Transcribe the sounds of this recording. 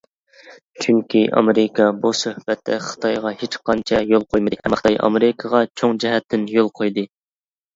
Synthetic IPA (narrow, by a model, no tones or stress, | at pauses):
t͡ʃʰyŋkʲʰiʔɑ̰meɾɪkʰɑbusøhb̥ɛt̪ːɛ̰χɨ̥t̪ʰɑjʁɑhet͡ʃqʰɑnt͡ʃʰɛjolˠqʰojmɨd̪ɨɛmχt̪ɑjʔɑ̰meɾɪkʰəʁɑt͡ʃʰoŋd͡ʒɛɦɛt̪ʰːɪnjolˠqʰojd̪ɨ